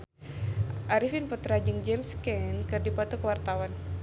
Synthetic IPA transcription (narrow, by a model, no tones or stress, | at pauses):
ʔaɾifinpɔt̪ɾad͡ʒɨŋd͡ʒɛmskɛnkɨrdipɔt̪ukəwart̪awan